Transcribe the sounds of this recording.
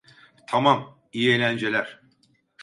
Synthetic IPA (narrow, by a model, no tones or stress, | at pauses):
t̪ʰamam | ijelʲænd͡ʒe̞lʲæɾ̥